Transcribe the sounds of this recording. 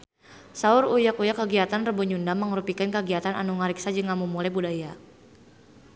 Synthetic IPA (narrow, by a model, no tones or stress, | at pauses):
saʊɾujakujakːəɡiat̪anrəbuɲundamːəŋɾupikankəɡiat̪ana̰nuŋaɾiksad͡ʒəŋamumulabudaja